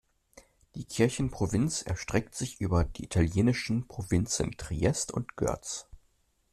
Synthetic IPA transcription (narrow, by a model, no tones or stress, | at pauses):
d̥iːkʰɪɐçn̩pʁ̥ovɪnsɛ̰ɐʃtʁ̥ɛk̚tz̥ɪçʔyːbɐdiːʔitʰaljeːnɪʃn̩pʁ̥ovɪnt͡sən̩tʁ̥iɛstʊ̰ntɡ̥œ̰ɐt͡s